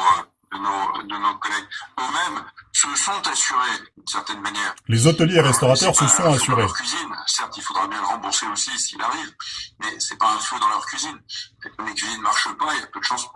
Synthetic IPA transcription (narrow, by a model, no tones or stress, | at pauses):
d̪ənod̪ənokɔlɛɡ̚ømɛmsəsɔ̃t̪asyʁed̪ynsɛʁt̪ɛnmanjɛːʁlezɔt̪əljeːʁɛst̪ɔʁat̪œʁsəsɔ̃asyʁekɥizinsɛʁt̪ilfod̪ʁabjɛ̃ləʁɑ̃buʁseosisiilaʁivmɛsɛpaɛ̃fod̪ɑ̃lœʁkʲɥizinlekɥizinːmaʁʃəpaelapød̪əʃɑ̃z